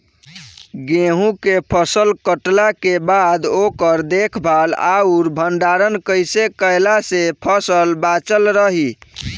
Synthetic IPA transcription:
ɡẽɦũkepʰəsəlkəʈlakebad̪okəɾd̪ekʰbʱala̰uɾbʱənɖaɾənkəjsekəjlasepʰəsəlbat͡ʃəlɾəɦi

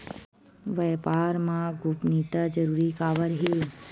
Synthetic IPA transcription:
ʋɛːpaːɾmãɡupnit̪ad͡ʒəɾuːɾikaːʋəɾɦi

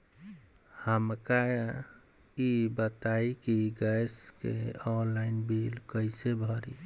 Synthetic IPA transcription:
həmka | ibət̪aikiɡəjskḛɔnlaɪinbilkəɪsebʱəɾḭ

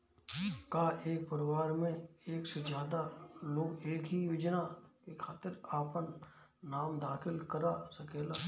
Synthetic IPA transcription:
kaʔeːk̚pəɾɪwaːɾmẽeːksed͡ʒjaːd̪aloːɡeːkɦijoːd͡ʒnakekʰaːt̪ɪɾaːpənː | aːmd̪aːxɪlkɐɾasɐkeːlaː

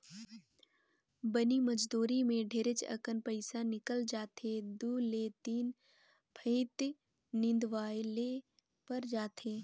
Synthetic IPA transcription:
bəniməd͡ʒd̪uːɾimẽɖʱeːɾɪt͡ʃɐ̰kənpəɪsanɪkəld͡ʒaːt̪ʰed̪uːleːt̪iːn | bʱʰə̃ɪt̪ | nɪ̃nd̪ʋaːleː | pɐɾd͡ʒaːt̪ʰeː

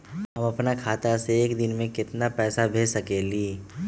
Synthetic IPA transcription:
ɦɐmɐpnakʰaːt̪aseːkd̪ɪnmẽkɪt̪napɛːsabʱeːsɐkeːliː

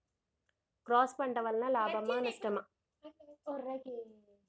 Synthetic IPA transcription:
kɾoːspɐɳɖɐʋɐlnãːlaːbɐmːaːnɐsʈɐma

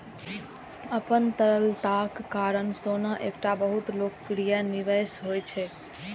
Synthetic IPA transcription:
əpənt̪əɾəlt̪akːaɾənsonaʔekʈabəɦut̪lokəkɾijaniʋəsɦojt͡ʃʰɛ

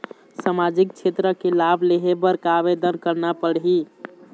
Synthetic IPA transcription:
samad͡ʒik̚t͡ʃʰet̪ɾəkelabʱleɦebəɾkabed̪ənkəɾnapəɽɦi

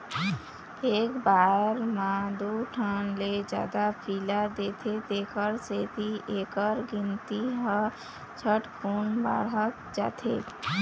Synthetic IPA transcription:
eːkbaɾmãd̪uʈʰənled͡ʒja̰ːd̪apʰilaɾd̪eːt̪ʰet̪eːkəɾset̪ʰiʔeːkəɾɡɪnt̪iɦə | t͡ʃʰəʈkʰuːnba̰ɾɦək | d͡ʒa̰ːt̪ʰe

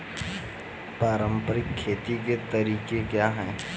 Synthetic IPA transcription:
paːɾə̃mpəɾɪkʰːeːt̪iket̪ɐɾiːkekjaːɦɛː

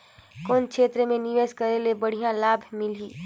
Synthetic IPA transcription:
koːnkʰeːt̪ɾemẽnɪʋeːskɐɾelebəɽ̤ijãlaːbʱmɪliː

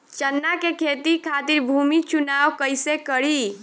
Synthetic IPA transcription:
t͡ʃənːakekʰet̪ikʰat̪iɾbʱumit͡ʃunawkəjsekəɾi

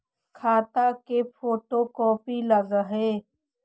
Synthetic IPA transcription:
kʰaːt̪akepʰoːʈoːkɔːpiləɡəɦeː

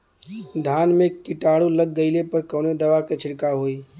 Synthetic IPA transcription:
d̪ʱaːnmẽkɪʈaːɽuləɡːəɪlepəɾkɔːned̪ɐʋakɐt͡ʃʰɪɽkaɦoːiː

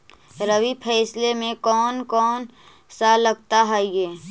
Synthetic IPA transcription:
ɾəʋipʰɛːslemẽkɔːnkɔːn | saləɡ̚t̪aɦɛjeː

